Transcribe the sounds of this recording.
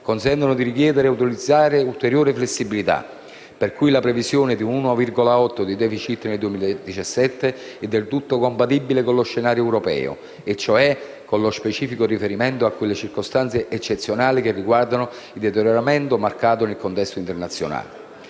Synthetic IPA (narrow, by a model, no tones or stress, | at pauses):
konsɛnt̪onod̪iɾikjɛːd̪eɾeaut̪̬ilid̪zːaːɾeult̪eɾjoːɾɪflesːibilit̪a̰ | perkujlapɾevisjoːnɪd̪iunuːnʊavirɡolaɔt̪ːod̪id̪ɛfit͡ʃit̪ːneld̪uemiːlad̪it͡ʃasːɛt̪ːe | ɛd̪ːelt̪ut̪ːokompat̪ibːilekonloʃːenaːɾjoɛwɾopɛ̰ːo̰ | et͡ʃːoɛ | kːonlospet͡ʃiːfikorifeɾimɛnt̪oakːelːet͡ʃirkost̪ant̪seʔet͡ʃːet̪sːjonaːlikerːiɡward̪ano | ild̪ɛt̪eɾjoɾamɛnt̪omarkaːt̪onelkont̪ɛst̪oint̪ernat̪sːjo̰na̰ːle